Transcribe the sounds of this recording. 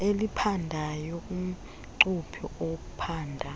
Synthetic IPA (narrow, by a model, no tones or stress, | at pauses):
elipʰandʱajɔkʼum̩ | ǀupʰiʔok̬ʼupʰaːndʱa